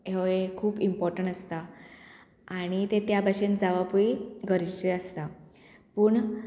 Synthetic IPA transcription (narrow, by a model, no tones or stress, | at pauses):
eekʰuːpimpɔɾʈəɳʈəst̪a | aɽ̃it̪et̪jabʱaɕẽnd͡zaʋapuiɡəɾid͡ʑt͡ɕeəst̪apuːɳ